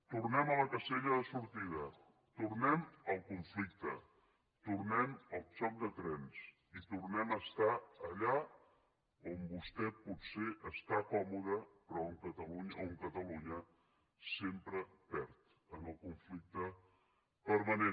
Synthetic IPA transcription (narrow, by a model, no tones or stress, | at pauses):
t̪urnɛmələkəseʎəðəsuɾt̪iðə | t̪urnɛməlˠkuɱflik̚t̪ə̰ | t̪urnɛməlˠt͡ʃɔk̚d̪ət̪ɾɛns | it̪urnɛməst̪aəʎa | ombust̪ɛpuseʔəst̪akɔmuðəpɾɔŋkət̪əluɲəoŋkət̪əluɲə | sempɾəpɛɾt̪ | ənəlˠkuɱflik̚t̪ə | pəɾmənen